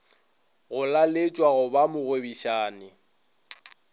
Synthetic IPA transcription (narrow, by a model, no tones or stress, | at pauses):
ɣʊlalɪt͡ʃʼwaɣʊbamʊɣebiʃaːnɪ